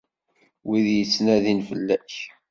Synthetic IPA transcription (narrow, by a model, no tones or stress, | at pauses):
wiðjət͡sːnæðinfəlːæç